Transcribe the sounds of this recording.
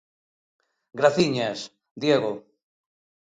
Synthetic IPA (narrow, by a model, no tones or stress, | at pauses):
ɡɾaθiɲas | d̪jeɣo